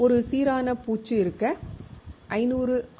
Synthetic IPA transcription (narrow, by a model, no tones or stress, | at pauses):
ɔɾɯsiːɾaːnɐpuːt͡ʃːɯɪɾɯkːɐ | ʔɐɪnuːɾɯ